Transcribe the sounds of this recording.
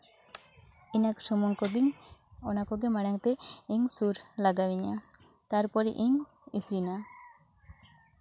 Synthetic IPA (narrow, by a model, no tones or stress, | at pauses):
inaksɔmɔŋkɔd̪iɲɔnakɔɡɛmaɽaŋt̪ɛiŋsuɾlaɡawiɲa | t̪aɾpɔɾiʔiŋ | isɾina